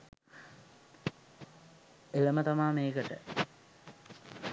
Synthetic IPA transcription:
eləmət̪amaːmeːɡəʈə̰

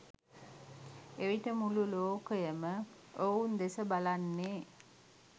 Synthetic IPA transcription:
eʋiʈəmululoːkəjəmə | ound̪esəbalanːeː

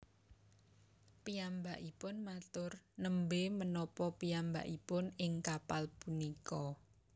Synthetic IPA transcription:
piambaʔipʊnmat̪ʊrnəmbemənɔpɔpiamba̰ʔipʊnɪŋkapalpunikɔ

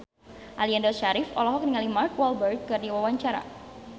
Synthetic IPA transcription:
ʔaliandɔʃaɾɪfɔlɔɦɔk̚niŋalimarkwɔlbərd̪̚kɨrdiwawaɲt͡ʃaɾa̰

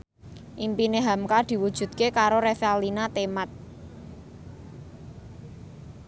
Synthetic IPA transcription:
ʔimpineɦamkad̪̥i̤wud̥ʒ̥ṳt̪̚kekaɾoɾefalinat̪emat̪̚

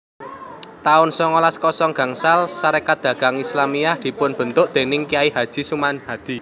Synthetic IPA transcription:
t̪aʊnsɔŋɔlaskɔsɔŋɡ̥ä̤ŋsalsaɾekad̪̥ä̤ɡ̥a̤ŋislamijahd̪̥i̤pʊnb̥ə̤nt̪ʊʔd̪̥e̤nɪŋkijaiɦad̥ʒ̥i̤sumanhad̪̥i̤

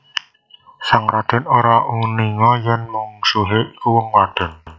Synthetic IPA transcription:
saŋɾad̪̥ɛ̤noɾaʔuniŋɔjɛnmuŋsuɦeʔkuwəŋwad̪̥ə̤n

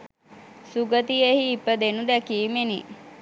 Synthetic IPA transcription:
suɡət̪ijehiːpəd̪enud̪ɛkiːmenḭ

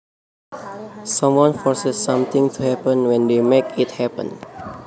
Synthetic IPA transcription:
sãmwɔ̃nfɔɹsɛsːãmt̪ɪ̃ŋtʰuhɛpə̃nwɛ̃ndemekit̚hɛpə̰̃n

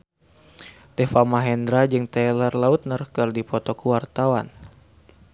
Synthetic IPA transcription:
t̪ɛfamaɦɛnd̪ɾad͡ʒɨŋt̪ɛlərlaut̪̚nərkərdipɔt̪ɔkuwart̪awan

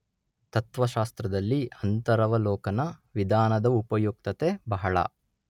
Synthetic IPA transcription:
t̪ɐt̪ʋɐʃaːst̪ɾɐd̪ɐlːiɐnt̪ɐɾɐʋɐlɔːkɐnɐʋid̪ʱaːnɐd̪ɐupɐjuk̚t̪ɐt̪ebɐɦɐɭɐ̰

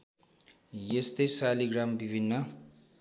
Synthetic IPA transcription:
jest̪ʌjsaliɡrambibʱinːʌ

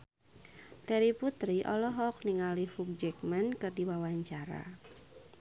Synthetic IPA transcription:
t̪ɛɾiput̪ɾiʔɔlɔɦɔk̚niŋalihruk̚d͡ʒɛk̚mankɨrdiwawaɲt͡ʃaɾa̰

